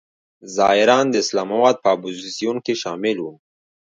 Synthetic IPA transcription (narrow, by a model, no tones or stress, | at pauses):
zɑɪɾɑnd̪əɪslɑmawɑd̪̚pəapuzisijunkeʃɑmɪlwu